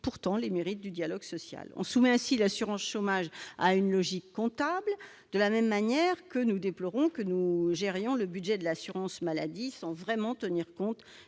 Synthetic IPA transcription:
puʁt̪ɑ̃lemeʁit̪̚d̪yd̪jalɔɡsɔsja̰lɔ̰̃sumɛɛ̃silasyʁɑ̃sʃomaʒa̰ynlɔʒikːɔ̃t̪abl | d̪̥əlamɛmːanjɛʁkənud̪eplɔʁɔ̃kənuʒɛʁjɔ̃ləbyd̪ʒɛd̪əlasyʁɑ̃smala̰d̪isɑ̃vʁɛmɑ̃t̪əniʁkɔ̃t̪

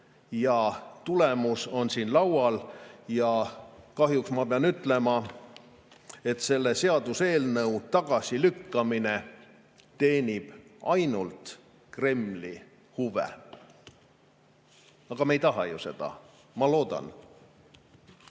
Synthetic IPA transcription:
jɑt̪ulemuso̞nsiːnlɑwɑljɑkɑɦjuksmɑpeɑnyt̪ːˑle̞mɑ | e̞t̪se̞lːe̞se̞ɑd̪̥use̞ːlnɤwt̪ɑɡ̥ɑsilykːɑmine̞ | t̪e̞ːnʲib̥ɑjnult̪ | kre̞mli | huvḛ | ɑɡ̥ɑmejt̪ɑɦɑ̰juse̞d̪̥ɑ̰ | mɑlo̞ːd̪̥ɑ̰n

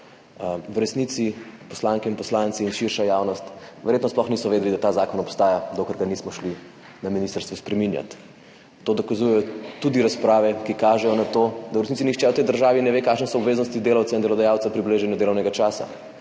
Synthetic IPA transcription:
wɾɛsnit̪sipɔ̥slaːŋkɛinpɔslant̪siːnʃiɾʃajaːwnɔst̪ʋɛɾjet̪nɔsplɔxnisɔʋeːd̪ɛlid̪at̪aːzaːkɔnɔpst̪aːjad̪okəɾɡanismɔʃli | naminist̪əɾst̪ʋuspɾɛminja̰t̪ː | od̪ɔkazujɛjɔt̪ud̪iɾaspɾaːʋɛkikaːʒɛjɔnat̪oːd̪awɾɛsnitsinixt͡ʃɛwt̪ɛjd̪əɾʒaːʋinɛʋekaːkʃnɛsɔːbʋeːznɔst̪id̪eːlawt̪saind̪ɛlɔd̪ajawt̪sɛpɾibleːʒɛnjɛd̪eːlɔwnɛɡat͡ʃaːsa̰

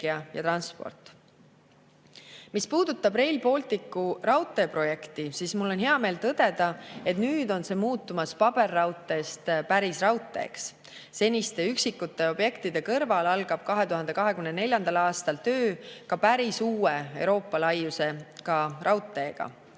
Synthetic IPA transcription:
iɑjɑ̰t̪ɾɑnspo̞̰rt̪ˑ | mispuːd̪̥ut̪ːˑɑbre̞jlpo̞lt̪ˑikːˑurɑwt̪ːˑe̞ːpro̞jekt̪isiːsmulːo̞nɦeɑme̞ːlt̪ɤd̪̥e̞d̪̥ɑe̞t̪nyːd̪o̞nse̞ːmuːt̪ːˑumɑspɑb̥e̞rːɑwt̪ːˑe̞ːst̪pæɾisrɑwt̪ːˑe̞̰ːks | se̞nʲist̪e̞yksikːut̪ːe̞o̞b̥je̞kt̪id̪̥e̞kɤrvɑlɑlɡ̥ɑb̥̚kɑɦe̞t̪uɦɑnd̪e̞kɑɦe̞kymnene̞lʲjɑnd̪ɑlɑːst̪ɑlt̪ø̞ːkɑpæɾisuːeewɾo̞ːpːˑɑlɑjːuse̞kɑɾɑwt̪ːˑe̞ːɡ̥ɑ̰

